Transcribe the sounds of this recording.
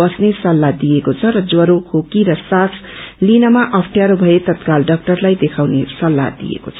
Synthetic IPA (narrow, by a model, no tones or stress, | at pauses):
ʌsnesʌlːad̪ijekot͡sʰʌɾʌd͡zwʌɾokʰokiɾʌsaslinʌmaʔʌpʰʈʰjaɾobʱʌet̪ʌt̪kalɖʌk̚ʈʌrlajd̪ekʰawnesʌlːa̰d̪ḭjḛko̰t͡sʰʌ